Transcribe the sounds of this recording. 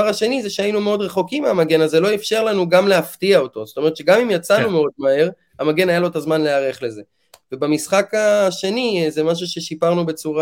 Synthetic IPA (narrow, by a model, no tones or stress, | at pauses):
aʁaʃe̞nizeʃeainumeo̞d̪ʁe̞χo̞kimeamaɡe̞nazelo̞ifʃe̞ʁlanuɡamleaftiao̞t̪o̞zot̪o̞meet̪ʃeɡamimjat͡sanumeo̞d̚mahe̞ʁ | amaɡe̞najalo̞t̪azmanle̞aʁe̞χle̞ze̞ | vebamisχakaʃe̞nizemaʃ̬uʃe̞ʃipaʁnube̞t͡suʁa